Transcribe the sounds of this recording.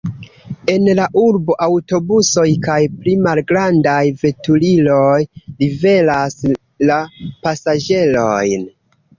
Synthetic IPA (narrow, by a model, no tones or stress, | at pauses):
e̞nlaʔuɾbo̞ʔawto̞buso̞jkajplimalɡɾandajve̞tulilo̞jlive̞las | lapasad͡ʒe̞lo̞jn